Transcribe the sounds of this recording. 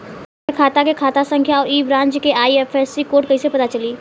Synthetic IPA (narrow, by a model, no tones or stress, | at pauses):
kʰaːt̪akekʰaːt̪asə̃ŋkʰjaɔːɾiːbɾãːɲt͡ʃkeʔaːiɛːfʰɛsikoːʈkɐisepɐt̪at͡ʃɐliː